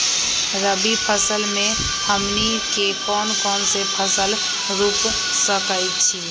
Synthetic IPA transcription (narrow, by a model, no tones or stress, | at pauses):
ɾəbipʰəsəlmẽ | həmnikekɔːnkɔːnsepʰəsəl | ɾuːp | səkəɪt͡ʃʰi